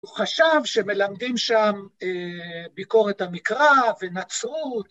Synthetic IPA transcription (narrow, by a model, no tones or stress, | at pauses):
χaʃavʃe̞me̞lamd̪imʃamebiko̞ʁet̪hamikʁavenat͡sʁut̪